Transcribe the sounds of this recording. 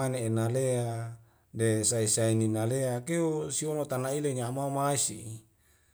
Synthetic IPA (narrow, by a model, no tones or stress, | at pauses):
aneːnalea | desaisaininaleakeusionot̪anaileɲamaumaisi